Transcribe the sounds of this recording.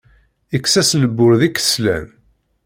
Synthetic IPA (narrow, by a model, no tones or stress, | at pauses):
iksæsnəbːʊɾðikːə̥slæ̰m